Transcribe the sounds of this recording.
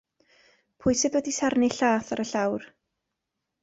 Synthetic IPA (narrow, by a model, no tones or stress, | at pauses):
pʰʊjsɨðwɛdisarnɪɬaːθaɾəɬawr